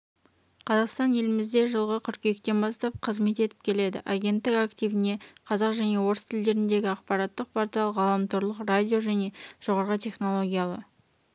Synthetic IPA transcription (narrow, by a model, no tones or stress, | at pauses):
qʰɑzɑqst̪ɑnje̞lɪmɪzd̪e̞ʒəlˠʁəkʲʰʏɾkʲekt̪e̞nbɑst̪ɑp̚qʰəzme̞t̪e̞t̪ɪ̥p̚kʲʰe̞le̞d̪ɪ̰ʔaɡʲe̞nt̪ːɪkakt̪ijvɪne̞qʰɑzɑqʒæne̞wo̞ɾʊst̪ʰɪld̪e̞ɾɪnd̪e̞ɡʲɪɑqpɑɾɑt̪ːəq̚pʰaɾt̪ijɑlˠəqʁɑlˠɑmt̪ʰoɾlˠəqrad̪ʲijo̞ʒæne̞ʒ̥o̞ʁɑɾʁət̪ʲʰe̞χno̞lˠo̞ɡʲijalˠə̰